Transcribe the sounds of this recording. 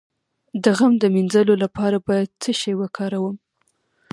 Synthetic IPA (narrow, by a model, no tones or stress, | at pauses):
d̪əɣamd̪əminzəlolapɑɾabɑjad̪̚t͡səʃejwəkʰɑɾawəm